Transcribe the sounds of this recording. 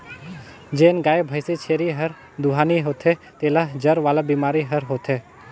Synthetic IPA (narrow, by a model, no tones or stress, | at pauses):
d͡ʒeːnɡaːebʱəɪsit͡ʃʰeːɾiɦɐɾ | d̪uɦaːniɦoːt̪ʰet̪eːlaɦd͡ʒɐɾʋaːlabiːmaːɾiɦɐɾɦoːt̪ʰeː